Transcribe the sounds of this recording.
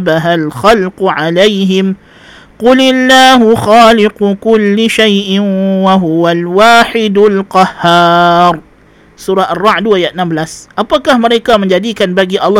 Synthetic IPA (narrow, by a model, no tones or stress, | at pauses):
baɦalxalqʊʕalajɦɪm | qʊlɪlːaːɦʊxaːlɪqʊkʊlːɪʃajʔɪnwaɦuwalwaːħɪdʊlqɑhːaːrˤ | suɾaʔarːɑʕduajaʔənambəlasʔapakahməɾekaməɲd͡ʒadikanbaɡiʔɑlː